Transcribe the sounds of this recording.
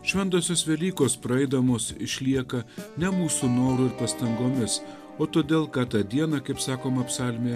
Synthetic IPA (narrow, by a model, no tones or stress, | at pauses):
ʃʲʋʲɛnt̪oːsʲoːsʋʲɛlʲiːkoːspɾɐɛɪd̪ɐmoːsɪʃʲlʲiɛkɐnʲɛmuːsunoːɾuːɪɾpɐst̪ɐŋɡoːmʲɪs | oːt̪oːd̪ʲeːlˠkɑːt̪ɑːd̪ʲiɛnɐkɐɪpsɑːkoːmɐpsɑːlʲmʲeː